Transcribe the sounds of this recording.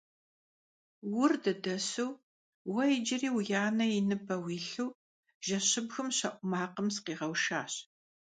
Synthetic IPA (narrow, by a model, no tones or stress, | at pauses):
wʊrdɐdɐsɨw | wɐɪd͡ʒɪriːwjaːnɐɪnɨbɐwiːɬuw | ʒ̥ɐɕɪbɣɨmɕɐʔʷʼʊmaːqəmsqiːʁɐwʃaːɕ